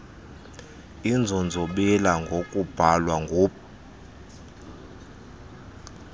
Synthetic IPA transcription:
ind͡zʱɔnd͡zʱoɓɛlaŋɡʱokʼub̥ʱalwaŋɡʱuːp

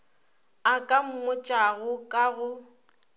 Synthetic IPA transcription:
akʼam̩mʊt͡ʃʼaɣʊkʼaɣʊ

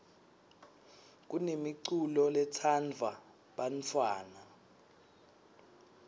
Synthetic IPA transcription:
k̬unemiǀulɔlɛtʰand͡vʱa | ɓant͡fʰwaːna

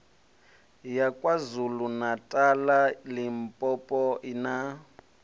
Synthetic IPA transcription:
jakʼwazulunatʼalalim̩pʼɔpʼɔina

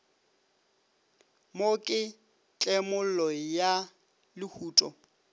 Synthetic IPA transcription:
mokʼɪ | t͡ɬʼɛmʊlɔja | lɪhuːtʼɔ

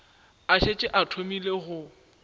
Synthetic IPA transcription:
aʃet͡ʃʼɪʔatʰomileɣʊ

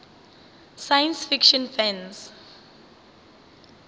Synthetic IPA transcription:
sajə̃nsfikʃɔ̃nfɛ̃ns

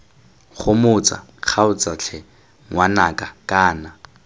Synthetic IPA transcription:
χʊmʊt͡sʼa̰ | q͡χʰaʊt͡sʼat͡ɬʰɛ | ŋwanakʼakʼaːna

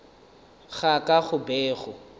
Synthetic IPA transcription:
ɣakʼaχʊbɛːχʊ

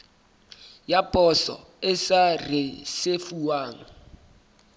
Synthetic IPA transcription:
japʼɔsɔ̰ | ɪsarɪsefuwaːŋa

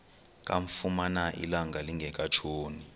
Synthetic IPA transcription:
k̬ʼaɱfumanaʔḭlaŋɡaliŋɡʱɛk̬ʼat͡ʃʰoːni

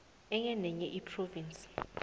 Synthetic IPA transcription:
ɛŋɛnɛɲɛʔipʰrovinsʼi̥

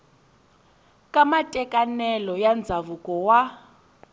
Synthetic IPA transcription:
kʼamatʼɛkʼanɛlɔjand͡zʱaβukʼɔwa

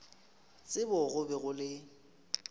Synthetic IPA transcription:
t͡sʼɪbɔɣʊbɛɣʊlɪ

